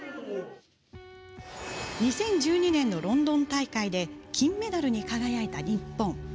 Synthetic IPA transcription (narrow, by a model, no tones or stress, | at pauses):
ɲ̟isẽ̞ɲ̟d͡ʑɨːɲ̟inẽ̞nːo̞ɾõ̞nd̪õ̞nt̪aikaid̪e̞kʲĩmːe̞d̪aɾɯ̟ɲ̟ikaɡajait̪aɾʲĩpːõɴ